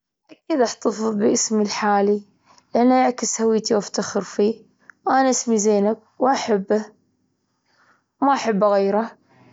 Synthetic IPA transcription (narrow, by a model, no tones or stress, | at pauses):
ʔakːiːd̪ʔaħt̪ɑfɨðˤbɪʔɪsmilħaːli | lʔanːaʔaʕkɪshawiːt̪iwʔaft̪axɪɾfiː | wʔanaʔasmizeːnab̚ | wʔaħabːa | wmaʔaħabːaɣejːɾa